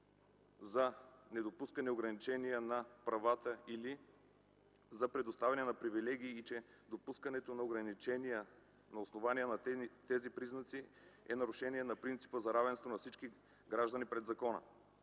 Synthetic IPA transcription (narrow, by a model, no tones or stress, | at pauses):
zɐnɛd̪opuskɐnɛoɡɾɐnit͡ʃɛniənɐpɾɐvat̪əili | zɐpɾɛd̪ost̪avʲɛnɛnɐpɾivilɛɡ̟iːt͡ʃɛ | d̪opuskənɛt̪onɐoɡɾɐnit͡ʃɛniə | nɐosnovanijənɐt̪ɛzipɾiznɐt̪si | ɛnɐɾʊʃɛniɛnɐpɾint̪si̥pəzɐɾavɛnst̪vonɐfsit͡ʃki | ɡɾaʒd̪ənipɾɛd̪zɐkɔnə̰